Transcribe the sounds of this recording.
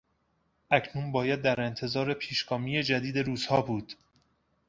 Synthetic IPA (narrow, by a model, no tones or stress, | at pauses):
ʔæcʰnunbɒːjæd̪̚ːæɾe̞nt̪ʰe̞zɒːɾe̞pʰiːʃɡɒːmiːje̞d͡ʒæd̪iːd̪e̞ɾuːz̥hɒːbuːd̪̥